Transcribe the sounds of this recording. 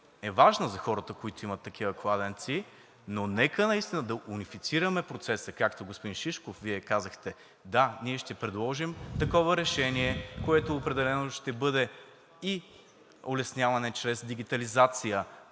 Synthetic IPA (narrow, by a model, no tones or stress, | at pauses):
ɛvaʒnəzɐxɔɾət̪əkoit̪oimət̪ːɐk̟ʰivəklˠad̪ɛnt̪si | nonɛkənɐist̪inəd̪ɐʔunifit̪siɾəmɛpɾot̪sɛsəkakt̪oɡospʊd̪inʃiʃkofviɛkazəxt̪ɛ | d̪aniɛʃt̪ɛpɾɛd̪lˠɔʒimt̪ɐkɔvəɾɛʃɛniɛkoɛt̪oːpɾɛd̪ɛlɛnoʃt̪ɛbɤd̪ɛ | i | olɛsnʲjavɐnɛt͡ʃɾɛzd̪iɡ̟ʲit̪ɐlizat̪sijə